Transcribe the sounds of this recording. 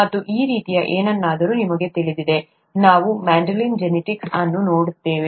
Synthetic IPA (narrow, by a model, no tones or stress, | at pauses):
ɐt̪ːuʔiːɾiːt̪ijɐʔeːnɐnːaːd̪ɐɾunimɐɡe̞t̪iɭid̪id̪e̞ | naːʋumaːɳɖɐlind͡ʒeniʈiksɐnːuno̞ːɽut̪ːe̞ːʋe